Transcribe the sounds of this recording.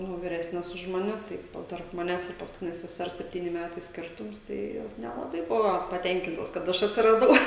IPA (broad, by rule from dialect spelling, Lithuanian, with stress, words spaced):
nʊ ʋʲɪˈrʲæːsʲnʲɛs ʊʃ mɐˈnʲɛ ˈtɐɪ ˈjɛʊ tɐrp mɐˈnʲæːs ɪr pɐskʊˈtʲɪnʲɛs sʲɛˈsʲɛrs sʲɛpʲˈtʲiːnʲɪ ˈmʲætɐɪ ˈsʲkʲɪrtʊms ˈtɐɪ ˈjoːs nʲɛlˠɐˈbɐɪ ˈbʊʋoː pɐˈtʲɛŋʲkʲɪntoːs kɐt ˈɐʃ ɐtʲsʲɪrɐˈdɐʊ